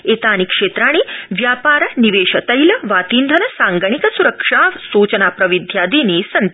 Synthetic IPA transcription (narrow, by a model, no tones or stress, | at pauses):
et̪aːnikʂeːt̪ɾaːɽ̃iʋjaːpaːɾɐniʋeːʂət̪əjlɐʋaːt̪iːnd̪ʱɐnɐsãŋɡəɳ̃ikəsuɾəkʂasut͡ɕənapɾɐʋid̪ʱjad̪iːnesɐn